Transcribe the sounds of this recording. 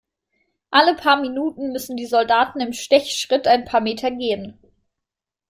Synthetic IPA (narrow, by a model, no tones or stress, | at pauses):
ʔaləpʰaːɐminuːtn̩mʏsn̩diːzɔldaːtn̩ɪmʃtɛçʃʁ̥ɪtaɪnpʰaːɐmeːtʰɐɡeːən